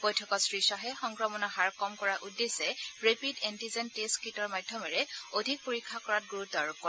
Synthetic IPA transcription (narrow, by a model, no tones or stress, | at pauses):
bojtʰɔkɔsɹisɔɦɛxɔŋkɹɔmɔnɔɦaɹkɔmkɔɹaʔudːesɛɹepidɛntizɛnteskitɔɹmadʱjɔmɛɹɛodʱik̚poɹikʰːakɔɹat̚ɡuɹut̚daɹukɔɹɛ